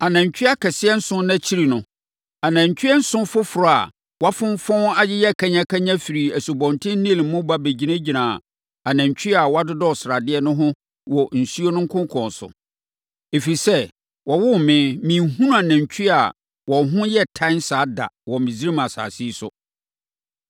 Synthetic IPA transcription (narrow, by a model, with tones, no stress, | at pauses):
a˨nã˨ɲ˨t͡ɕᶣi˦a˦kʰɛ˨sɪ˦ɛ˦n̩˦sʊ̃˦nã˦t͡ɕʰi˦ɾi˨nʊ̃˦ | a˨nã˨ɲ˨t͡ɕᶣɥɛ˦n̩˦sʊ̃˦fʊ˦fʊ˨ɾʊ˨a̰˨ | wa˦fʊ̃˦m˦fɔ̃˦na˦jɪ˦jɛ˦˨kʰa˦ɲã˦kʰa˦ɲã˦fi˨ɾi˨æ˨su˨bɔ̃˨ntʰɪ̃˦n˦nĩ˦˨˦mʊ̃˦ba˦be˨d͡ʑi˨nã˦d͡ʑi˨nã˨ | a˨nã˨ɲ˨t͡ɕʰᶣɥi˦a˨wa˦dʊ˦dɔ˦˨sa˨dɪ˦ɛ˦nʊ̃˦ɦʊ̃˦ | wɔ˨n̩˨su˦o˦nʊ̃˦ŋ̩˦kʰʊ̃˦ŋ˦kʰɔ̃˨nsʊ̰˨ | e˨fi˨sɛ˦ | wɔ˨wʊ˦˨mɪ̃˦mĩ˨ɦũ˦nʊ̃˦a˨næ̃˨ɲ˨t͡ɕʰᶣi˦a̰˨ | wɔ̃˨ɦʊ̃˦jɛ˦tʰã˦ɪ˦nsaː˨˦da̰˨wɔ˨mɪ̃˨zi˦ɾi˦mã˨sa̰ː˨si˦sʊ̰˦